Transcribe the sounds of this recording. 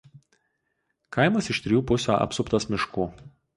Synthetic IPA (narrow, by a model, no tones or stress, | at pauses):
kʰaɪmɐsɪʃt̪ʲɾʲɪjuːpʊsʲo̰ːʔɐ̰psʊpt̪ɐsmʲɪʃkuː